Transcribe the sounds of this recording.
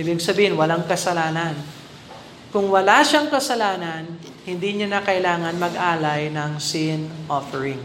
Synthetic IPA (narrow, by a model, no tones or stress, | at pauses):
ʔibɪɡsɐbiːhɪnwɐlaŋkɐsɐlaːnɐn | kʊŋwɐlaʃaŋkɐsɐlaːnɐn | hɪnd̪iɲanɐkɐʔɪlaːŋɐnmɐɡʔaːlɐjnɐŋsɪnʔofɛɹɪŋ